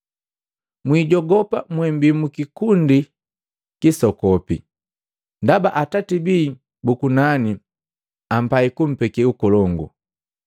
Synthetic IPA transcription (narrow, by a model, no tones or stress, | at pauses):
mwiɟɔɡɔpamwɛm̩bimukikundi | kisɔkɔpi | ndabaʔatatibiː | bukunani | am̩paikum̩pɛkɛukɔlɔŋɡṵ